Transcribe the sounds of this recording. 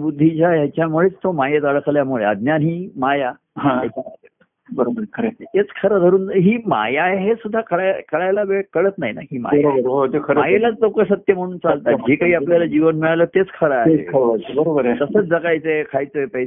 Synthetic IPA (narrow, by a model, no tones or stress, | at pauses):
bud̪ʱːit͡ɕjajat͡ɕjamuɭet͡st̪omajet̪əɭkʰljamuɭeəd̪njanɦiːmaja | ɦãjjat͡ɕaat̪e | bəɾobəɾkʰəɾet̪et͡skʰəɾəd̪ʱəɾuːnɦiːma̰jaɦesud̪ʱːakʰəɭajkʰəɭajlabeɭkəɭət̪naɦina̰ɦiːma̰bəɾobəɾɦot̪ekʰəɾəajelaləwkəsət̪jəm̤əɽ̃uːnt͡salt̪ad͡ʑekaɦiːapljalad͡ʑiʋənmiɭaləːt̪et͡skʰəɾaɦeḛkʰəɾəbəɾobəɾt̪əsəːt͡sd͡zəkajt͡sekʰajt͡səpəj